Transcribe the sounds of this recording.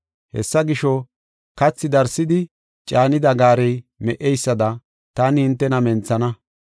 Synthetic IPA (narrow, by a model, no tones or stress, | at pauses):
hɛ̰sːɐɡɪʃɔ | kɐt͡sːɪd̪ɐɾsːɪd̪ɪ | t͡ʃʼaːnɪd̪ɐɡaːɾɛjmɛʔɛjsːɐd̪ɐ | t̪ɐnɪhɪnt̪ːɛnɐmɛnt͡sɐnɐ